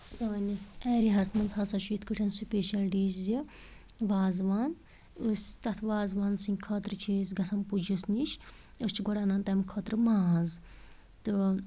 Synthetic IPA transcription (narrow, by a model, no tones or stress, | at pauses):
soːnisɛːɾiɦɐsmɐnzɦɐsɐt͡ʃʰujit̪ʰkɨʈʰɐnsupʲeːʃɐlɖiːszi | ʋaːzʋaːn | usʲt̪ɐt̪ʰʋaːzʋaːnsiŋʲkʰɔːt̪ɾɨt͡ʃʰiːsɡɐsɐmpud͡ʒisnit͡ʃʰ | ust͡ʃʰiɡɔɽaːnɐnt̪ɐmkʰɔːt̪ɾɨmaːz | t̪ɨ